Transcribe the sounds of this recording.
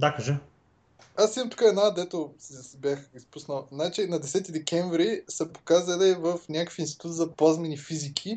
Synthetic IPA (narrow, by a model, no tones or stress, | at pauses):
d̪akɐʒə | asimɐmt̪o̥kaɛdnaːd̪ɛt̪osɛsbʲjaxispusnəlˠznat͡ʃinɐd̪ɛsɛt̪id̪ɛkʲɛɱvɾisɐpo̥kazɐlɛvəfnʲakə̥kfinst̪i̥t̪ut̪zɐpazmɛnifizikʲʰi